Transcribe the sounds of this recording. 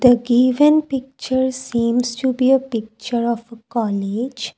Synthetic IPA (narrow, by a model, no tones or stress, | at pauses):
d̪əɡiːʋə̃npɪk̚t͡ʃəɾsĩːmsʈubiːəpɪk̚t͡ʃəɾɔʋəkɔːled͡ʒ